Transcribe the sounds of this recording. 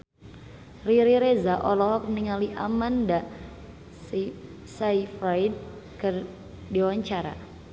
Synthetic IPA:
riɾiɾezaʔɔlɔɦɔk̚niŋaliʔamanda | saifɾajd̚ | kər | diwaɲt͡ʃaɾa̰

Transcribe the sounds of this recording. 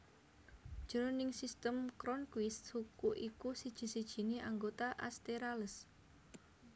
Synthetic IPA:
d̥ʒ̥əɾonɪŋsist̪əmkɾɔnkwɪst̪hukuʔikusid̥ʒ̥i̤sid̥ʒ̥i̤neʔaŋɡot̪aʔa̰st̪eɾaləs

